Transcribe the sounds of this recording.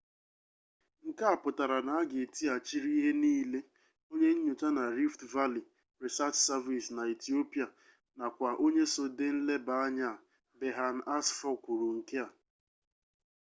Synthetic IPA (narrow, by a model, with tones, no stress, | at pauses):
ŋ̩˨ka˦a˨pʊ˨ta˨ɾa˨na˨a˦ɡe˨ti˦a˨t͡ʃi˦ɾi˦ɦe˦niː˦le˦ | o˦ɲe˦ɲ̩˦ɲu˨ta˦na˨ɾi˦ftva˦li˨ | ɾe˨sa˦t͡ʃsa˦vi˨sna˨i˨ti˨˦o˦pi˨a˨ | na˨kʷa˨ʔo˦ɲe˦so˨de˦n̩˦le˦ba˨a˦ɲa˦˨ | be˨ɦa˨n̩˨a˦sfɔ˦ku˨ɾu˨ŋ̩˨ke˦a˨